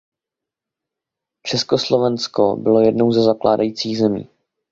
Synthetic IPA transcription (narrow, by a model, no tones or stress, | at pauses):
t͡ʃɛskoslo̞vɛnsko̰bɪlo̞jɛdno̞wzɛzaklʔa̰ːdajiːt͡siːɣzɛmḭː